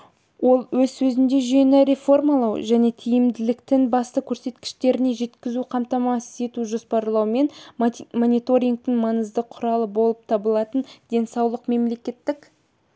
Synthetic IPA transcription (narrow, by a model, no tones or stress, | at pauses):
wo̞lˠwɵzsɵzɪnd̪e̞ʒienɪɾe̞fo̞rmɑlˠɑwʒæne̞t̪ʰijɪmd̪ɪlɪkt̪ɪnbɑst̪əkʲʰɵɾse̞t̪kʲɪ̥ʃt̪e̞ɾɪne̞ʒe̞t̪kʲɪzuqʰɑmt̪ɑmɑsə̥se̞t̪uʒo̞spɑɾlˠɑwme̞nmonʲit̪o̞ɾʲiŋk̚t̪ɪŋmɑnəzd̪əqʰʊɾɑlˠəbo̞lˠəp̚t̪ʰɑbəlˠɑt̪ənd̪̥e̞nsɑwlˠəqme̞mle̞kʲe̞t̪ːɪk